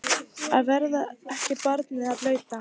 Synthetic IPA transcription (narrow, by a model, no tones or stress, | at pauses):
aðvɛɾðaɛhcɪpaɾt̪nɪaðlœːɥt̪a